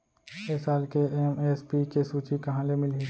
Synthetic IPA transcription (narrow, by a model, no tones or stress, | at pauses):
eːsaːlkeemeːspikesuːt͡ʃikɐɦãlemɪli